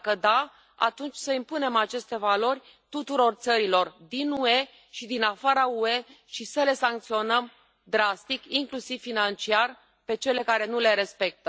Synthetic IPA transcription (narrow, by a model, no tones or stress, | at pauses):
kəd̪a | a̰t̪unt͡ʃʲsəimpune̞mat͡ʃe̞st̪e̞valo̞rʲ | t̪ut̪uɾo̞rt̪səɾilo̞rd̪inue̞ | ʃid̪inafaɾaue̞ʃisəle̞saŋk̚t̪sio̞nəm | d̪ɾast̪ikiŋklusiv̥ːinant͡ʃiar | pe̞t͡ʃe̞le̞kaɾe̞nule̞ɾe̞spe̞k̚t̪ə